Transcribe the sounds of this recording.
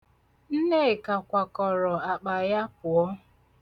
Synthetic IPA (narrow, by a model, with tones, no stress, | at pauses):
n̩˦ne˦e˨ka˨kʷa˨kɔ˨ɾɔ˨a˨k͡pa˨ja˦p̚ʊ˨ɔ˦